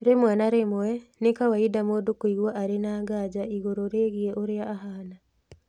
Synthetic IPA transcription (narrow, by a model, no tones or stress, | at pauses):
ɾemwɛnaɾemoɛnekawaidamodokoiɣwaʔaɾenaːŋɡad͡ʑaiɣoɾoɾeɣiɛʔoɾeaʔːɦaːna